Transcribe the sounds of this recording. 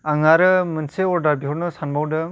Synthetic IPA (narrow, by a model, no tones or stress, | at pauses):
aŋaɾɯmɯnseɔɾdaɾbiɦɔɾnɯsanbawdɯ